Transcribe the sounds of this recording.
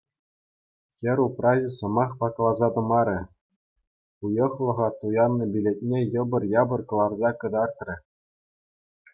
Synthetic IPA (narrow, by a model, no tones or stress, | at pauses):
xʲɘ̆ɾʲuprɑʑʲɘsɤ̆mɑχpɑklˠɑzɑt̪ɤ̆mɑɾʲɘ̆ | pujɤ̆χlˠɤ̆ʁɑt̪ujɑnːɤ̆bʲilʲet̚ʲnʲejɤ̆bɤ̆rjɑbɤ̆rkɤ̆lˠɑrzɑkɤ̆d̪ɑrt̪rʲɘ̆